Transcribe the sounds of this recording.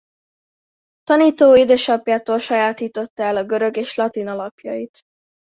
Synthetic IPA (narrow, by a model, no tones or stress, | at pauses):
t̪ɒniːt̪oːid̪øːʃɒpjaːt̪oːlʃɒjaːt̪iːt̪o̞t̪ːɛlɒɡøɾøɡeːʃlɒt̪inɒlɒpjɒ̰jit̪